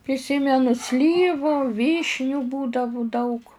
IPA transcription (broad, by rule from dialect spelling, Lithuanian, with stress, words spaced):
pʲrʲɪˈsʲiːmʲɛnʊ ˈsʲlʲiːʋʊ ˈʋʲiːʃʲnʲʊ ˈbuːdɐʋʊ dɐʊk